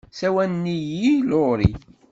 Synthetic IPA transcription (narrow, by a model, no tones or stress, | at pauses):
sæwænnːijiloɾi